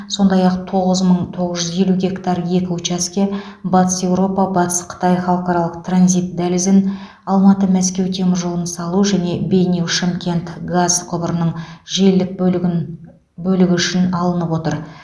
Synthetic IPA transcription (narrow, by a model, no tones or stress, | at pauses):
so̞nd̪ɑjɑq̚t̪ʰo̞ʁəzməɴt̪ʰo̞ʁəzʒʏzje̞luɡʲe̞kt̪ɑɾje̞kʲɪut͡ʃaskʲe̞ | bɑt̪ə̥se̞wɾo̞pɑbɑt̪ə̥sqʰə̥t̪ɑjχɑlˠqɑɾɑlˠəq̚t̪ʰranzʲijt̪̚d̪ælɪzɪn | ɑlˠmɑt̪əmæskʲe̞wt̪ʰe̞mɪɾʒolˠənsɑlˠuʒæne̞bʲe̞jnewʃemkʲe̞nt̪ɡazqʰʊbəɾənəɴʒe̞ld̪ɪk̚ | bɵlɪɡʲɪʏʃɪnɑlˠənəpwo̞t̪əɾ